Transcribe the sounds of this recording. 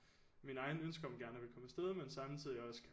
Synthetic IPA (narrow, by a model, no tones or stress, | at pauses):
minɑ̈ɪnønsɡ̥ɐɒ̽mɡ̥æɐnəʋe̝lkʰɒ̽məsd̥eð̞ˠmensɑ̈mt͡sʰið̰ˠiɒ̽sə̥kʰ